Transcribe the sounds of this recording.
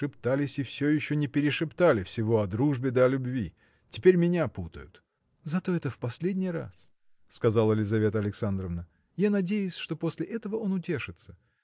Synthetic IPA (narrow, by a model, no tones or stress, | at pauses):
ɨpt̪alʲɪsʲɪfsʲojɪɕːonʲɪpʲɪɾʲɪʂɨpt̪alʲɪfsʲɪvo̞ɐd̪ɾuʐbʲɪd̪ɐɐlʲʊbvʲḭ | tʲɪpʲeɾʲmʲɪnʲaput̪ə̰jʊ̰t̪ | zɐt̪o̞ɛt̪əfpɐsʲlʲedʲnʲɪjɾa̰s | skɐzalˠəlʲɪzɐvʲe̞t̪əɐlʲɪksand̪ɾəvnə | janɐdʲejʊsʲʂt̪o̞posʲlʲɪʔɛt̪əvəo̞nʊtʲe̞ʂɨt̪sə̥